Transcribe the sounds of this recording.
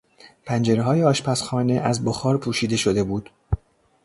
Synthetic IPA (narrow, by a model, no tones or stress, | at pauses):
pʰænd͡ʒe̞ɾeɦɒːjeɒːʃpæsxɒːne̞ʔæzboxɒːɾpʰuːʃiːd̪e̞ʃo̞d̪e̞buːd̪̥